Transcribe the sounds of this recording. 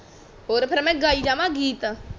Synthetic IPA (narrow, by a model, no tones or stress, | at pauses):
ɦoːɾpʰɪɾmɛ̃ɡaːid͡ʒaːmãɡiːt̪